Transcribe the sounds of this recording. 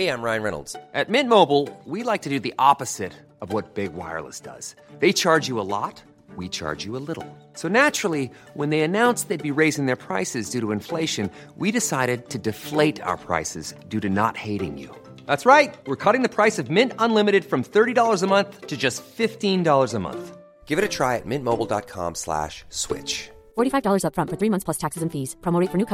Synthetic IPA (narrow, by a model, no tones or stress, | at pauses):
eɪæ̃mɹãɪ̃nɹɛ̰nl̩ˠdz̥ʔɨt̚mɪ̃nmoʊbl̩ˠwilaɪk̚tʰɨdɨðiʔɑpɨz̥ɪɾ | ʌvwʌt̚b̥ɪɡwa̰ɪə̰˞lˠə̰sd̥ʌ̰z̥ | ðeɪt͡ʃʰɑɹd͡ʒjɨəlɔ̰t̚ | wit͡ʃʰɑ̰ɹd͡ʒjɨəlɪɾl̩ˠ | soʊnæt͡ʃɹl̩ˠi | wə̃nðeɪɨnãʊ̃nsðeɪd̚biɹeɪzɪ̃ŋðə˞pʰɹ̥a̰ɪsɨzdʉɾəɨ̃ɱfleɪʃɨ̃n | wiɾɨsaɪɾɨd̚tʰɨdɨfleɪɾa̰ʊə˞pʰɹ̥a̰ɪsɨzdʉɾɨnə̰t̚heɪɾɪ̰̃ŋjʉ̰ | ðætsɹaɪt̚wɪɹkʰʌɾɪ̃ŋðɨpʰɹ̥aɪsʌvmɪ̃ntə̃nlɪ̃mɨɾɨd̥fɹʌ̃mθɜ˞ɾidɔlˠə˞zəmʌ̃nθtʰɨd͡ʒʌstfɪftĩndɔlˠə˞zəmʌ̰̃nθ | ɡ̥ɪvɨɾɨtʰɹ̥aɪɨ̰t̚mɪ̃nmoʊbl̩ˠdɑ̰t̚kʰɑ̰̃mslæ̰ʃswɪ̰t͡ʃ | fɔɹɾifaɪvdɔlˠə˞zʌpfɹʌ̃ntfə˞θɹimʌ̃nθsʰl̥ʌstʰæksɨzɨ̃ɱ̩fiz̥pʰɹ̥omoɹiɪtfə˞nʉkʰ